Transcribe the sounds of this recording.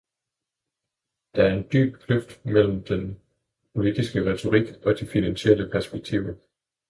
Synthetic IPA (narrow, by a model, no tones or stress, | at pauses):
d̥ɑ̈æɐe̝nd̥y̰ːb̥̚kʰløfd̥mel̰m̩d̥en | pʰo̝lid̥isɡ̥əʁɛt͡sʰo̝ʁiɡ̥ɒ̽d̥ifinænɕeləpʰæɐsb̥eɡ̥̚t͡sʰḭʊə